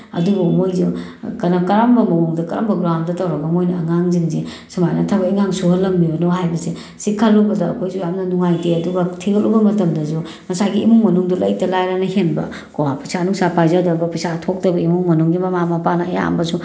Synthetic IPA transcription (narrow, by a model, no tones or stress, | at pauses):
ɐ̰dubɐmojzukɐnakɐɾambɐmɐwuŋdɐkɐɾa̰mbɐɡɾamdɐtɐwɾɐɡɐmojnɐɐŋaŋziŋzi | simajnɐtʰɐbɐiŋaŋsuɦɐlːɐmːiɾonoɦajbɐse | sikʰːalːubɐdɐːkʰojsujamnɐnuŋajteɐduɡɐtʰiɡɐtubɐmɐtɐmdɐzu | mɐsaɡiːmuŋmɐnuŋdulɐjtɐlajɾanɐhenbɐ̰ | kowapɐjsʰanuŋsapajzadɐbɐpɐjsatʰok̚tɐbɐimuŋmɐnuŋɡimɐmamapanɐɐja̰mbɐsu